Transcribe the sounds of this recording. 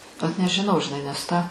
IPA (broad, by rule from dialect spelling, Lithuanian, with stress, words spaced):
oːt nʲɛʒʲɪˈnɐʊ ʒʲɪˈnɐɪ nʲɛs ˈtɑː